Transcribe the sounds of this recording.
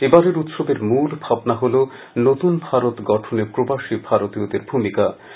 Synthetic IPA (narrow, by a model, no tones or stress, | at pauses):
ebaɾeɾut̪ʃobeɾmulbʱabnaɦolo | not̪unbʱaɾot̪ɡɔʈʰonepɾobaʃibʱaɾot̪iod̪eɾbʱumika